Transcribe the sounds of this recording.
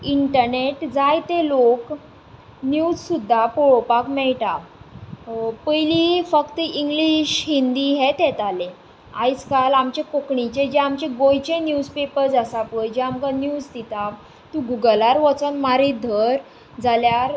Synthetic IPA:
iɳʈəɾneʈd͡zajt̪elok | njud͡zsud̪ʱːapoɭopakmɛɭʈa | pəjlifəkt̪əiŋɡliɕɦind̪iɦɛt̪ɛt̪ale | a̰jt͡skalamt͡ɕekokɳit͡ɕed͡ʑeamt͡ɕeɡojt͡ɕẽnjud͡zpepəɾd͡zasapəjd͡ʑeamkanjuːd͡zt̪it̪a | t̪ũɡuɡəlaɾʋət͡sənmaɾid̪ʱəɾ | d͡zaljaɾ

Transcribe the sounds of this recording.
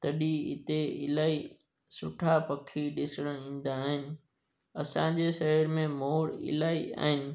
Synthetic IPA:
t̪ɐɗiɪ̰t̪eɪ̰laːi | sʊ̰ʈʰapɐkʰiɗɪsɽə̃ɽĩːn̆d̪aːɦɪnɪ̆ | ɐsãd͡ʑeʃɐɦəɾmẽmoːɽɪ̰laːia̰ːɦɪnɪ̆

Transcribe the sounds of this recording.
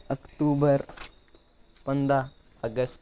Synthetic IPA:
əkʈubəɾ | pənd̪a | əɡəst̪

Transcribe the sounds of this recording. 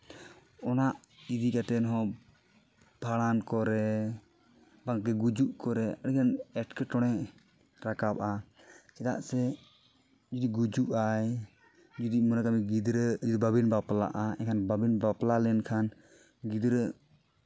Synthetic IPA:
ɔnaʔ | id̪ikat̪ɛnɦɔ | bʱaɽankɔɾɛ | baŋakɛɡud͡ʒuʔkɔɾɛaɽikanɛʈkɛʈɔɽ̃ɛʔ | ɾakapʔa | t͡ʃɛt̪a̰ʔsɛ | d͡ʒud̪iɡud͡ʒuʔaj | d͡ʒud̪imɔnakamiɡid̪ɾəd͡ʒud̪ibabinbapla̰ʔaɛ̰kʰanbabinbaplalɛnkʰan | ɡid̪ɾə

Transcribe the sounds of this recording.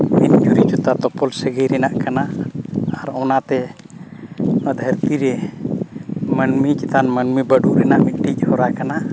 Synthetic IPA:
min̚d͡ʒuɾit͡ʃɔt̪at̪ɔpɔlsəɡəjɾɛnaʔkanaː | ɾɔnat̪ɛ | əd̪ʱəɾt̪iɾɛ | mənmikɛt̪anmənmibəɖuʔɾɛnaʔmiʈic̚ˀhɔɾakana

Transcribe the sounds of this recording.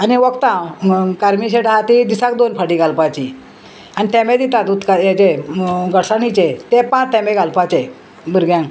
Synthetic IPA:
aniʋəkt̪ãkaɾmiɕ̬eʈaɦat̪id̪isakd̪onfaʈiɡalpat͡ɕi | anit̪emẽd̪it̪at̪ut̪kajat͡ɕeɡəɽsanit͡ɕet̪epãt͡st̪ɛmeɡʱalpat͡ɕe | bəɾɡjãŋ

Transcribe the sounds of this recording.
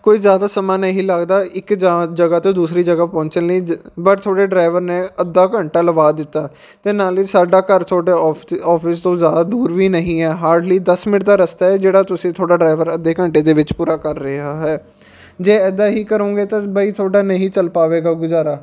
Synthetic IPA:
koːiːzjaːd̪aːsəmaːnəɦĩːləɡd̪aːʔɪkd͡ʒad͡ʒəɡaːt̪õːd̪uːsɾiːd͡ʒəɡaːpɔ̃ːɲt͡ʃənləiːbəɾt̪ʰoːɽeːɖɾaːɪʋəɾnẽːəd̪aːkəɳʈaːləbaːd̪ɪt̪ːaː | t̪eːnaːliːsaːɖaːkəɾt̪ʰoːɽeːɔːpʰɪst̪õːzjaːd̪aːd̪uːɾʋiːnəɦĩːɛːɦaːɾɖliːd̪əsmɪʈd̪aːɾəst̪aːɛːd͡ʒeːɽaːt̪ʊsĩːt̪ʰoːɽaːɖɾaːɪʋəɾəd̪ːeːkəɳʈeːd̪eːʋɪt͡ʃpuːɾaːkəɾːɪɦaːɦɛː | d͡ʒeːɛːd̪aːɦiːkəɾõːɡeːt̪ãːbaiːt̪ʰoːɽaːnəɦĩːt͡ʃəlpaːʋeːɡaːɡʊzaːɾaː

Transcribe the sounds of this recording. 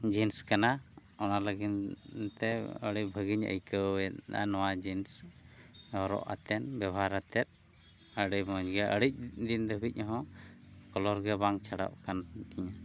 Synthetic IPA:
d͡ʒinskanaɔnaləɡint̪ɛə̰ɽibʱəɡiɲə̰jkəɛa̰nɔwad͡ʒins | ɔɾɔ̰ʔa̰t̪ɛnbjɛbʱaɾat̪ɛt̪̚ | əɽijmɔɲɡɛʔəɽic̚d̪ind̪əbʱic̚ˀɲɔɦɔ̃kɔlɔɾɡɛbaŋt͡ʃʰaɽa̰ʔkant̪iɲa

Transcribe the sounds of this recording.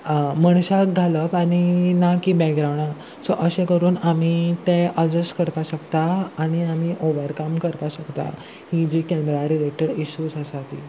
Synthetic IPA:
məɳɕaɡʱaləpaninakibɛkɡɾawɳa | sɔʔəɕẽkəɾuːnamit̪ẽʔəd͡zəsʈkəɾpaɕəkt̪aːɽ̃iamiʔoʋəɾkamkəɾpaɕəkt̪a̰ | hid͡ʑikɛmɾaɾilek̚ʈəɽiɕuːd͡zəsat̪i

